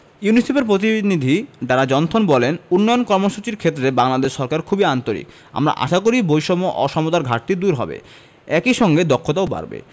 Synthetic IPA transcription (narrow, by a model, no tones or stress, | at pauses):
junisepeɾpɾot̪̬inid̪ʱiɖaɾad͡ʑɔnt̪ʰonbɔlenunːɔjonkɔɾmoʃut͡ɕiɾkʰet̪ːɾebaŋlad̪eʃːɔɾkaɾkʰubiant̪oɾḭk | a̰mɾa̰ʔa̰ʃakoɾibojʃɔmoʔɔʃɔmod̪aɾɡʱaʈt̪id̪uɾɦɔ̰bḛ | ɛkiʃɔŋɡed̪ɔkʰːot̪aoba̰ɾbḛ